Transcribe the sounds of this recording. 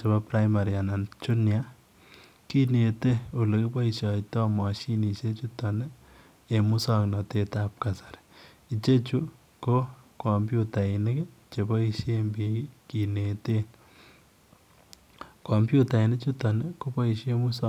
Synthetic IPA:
t͡ʃe˨bɔ˦pɾa˦jma˨ɾia˨na˨nt͡ʃu˦nja˦ | ki˦ne˨te˦o˨le˨ki˦pɔ˦i˨ʃjɔ˨tɔ˦mɔ˨ʃi˦ni˨ʃe˦t͡ʃu˦tɔ˨ne˦ | e˨mu˦sɔ˦knɔ˨te˨ta˨p̚kasḁ˨ɾ | i˨t͡ʃe˦t͡ʃu˦ | ko˦kɔ˨mbju˦ta˨i˨ne˦ke˦t͡ʃe˨bɔ˦i˧ʃje˦mbi˨˦ki˨ne˨te˦ | kɔ˨mbju˦ta˨i˨ne˦t͡ʃu˦tɔ˨ne˦ko˦pɔ˦i˧ʃe˦mu˦sɔ˦

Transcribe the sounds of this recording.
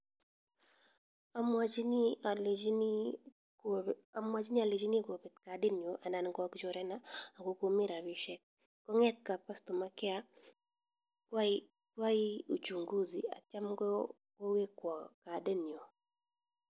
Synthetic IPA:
a˨ma˦d͡ʒn˦a˨ld͡ʒn˦ | a˨mwa˦d͡ʒnɪ˦a˨le˨d͡ʒi˦ni˦ko˨pe˨t̪ka˨de˦ni˨o˨ʔa˨na˨nɡɔ˦kd͡ʒɔ˨˦ɾɛ˦na˦a˨ɡo˦ko˦mi˦ɾa˨ɾi˦ʃɛ˦k̚ː | ɔ˦ŋɛ˦t̪̚ka˨pa˦stɔ˨ma˨˦kɛ˦a˦ | kwa˦ɪ˦u˨t͡ʃu˨ŋɡu˦zi˨a̰˨t͡ʃa˦mɡɔ˦ | ko˦we˦kwɔ˨ka˨de˦ni˨o˨

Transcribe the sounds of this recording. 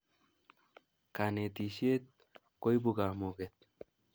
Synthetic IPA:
ka˨ne˨t̪i˨ʃie˦t̪̚ | ko˦jbuɡamuɡet̪̚

